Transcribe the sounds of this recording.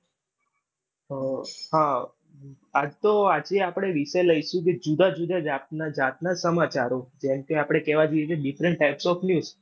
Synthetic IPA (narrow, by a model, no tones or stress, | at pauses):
ɦa | ad͡ʒt̪oad͡ʒeapɽ̃eʋiʃələjʃũk̬ed͡ʒud̪ad͡ʒud̪ad͡ʒat̚nad͡ʒat̪̚nasəmat͡ʃaɾod͡ʒɛmkeapɽ̃ekɛʋad͡ʒoikeɖifɾɛɳʈʈːajpsɔfnjuz